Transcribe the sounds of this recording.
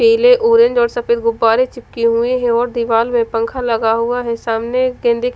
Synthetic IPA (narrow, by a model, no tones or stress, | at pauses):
eːleʔoːɾẽɲd͡ʒɔːɾsɐfeːd̪ɡʊbːaːɾet͡ʃɪp̚kiɦueɦɛ̃ɔːɾd̪ɪʋaːlmẽpɐ̃ŋkʰalɐɡaɦuaɦɛsaːmneɡẽːnd̪ʱik